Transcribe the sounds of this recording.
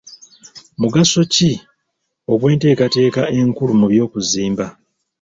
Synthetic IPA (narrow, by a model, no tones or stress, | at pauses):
muɡaso̞ci | o̞βwe̞ːnte̞ːkate̞ːkae̞ŋkulumuβjo̞ːkuziːmba